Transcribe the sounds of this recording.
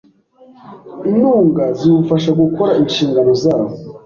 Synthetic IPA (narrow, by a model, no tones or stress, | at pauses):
inuːŋɡazijufaʃaɡuko̞ɾaʔinʃiːŋɡaɾozaːβo